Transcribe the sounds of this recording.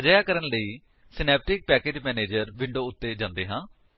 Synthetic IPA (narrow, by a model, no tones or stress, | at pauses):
əd͡ʒəːjaːkəɾənləiː | sɪnɛːp̚ʈɪk̚pɛːkeːd͡ʒmɛːneːd͡ʒəɾʋɪɳɖoːʊt̪ːeːd͡ʒãːnd̪eːɦãː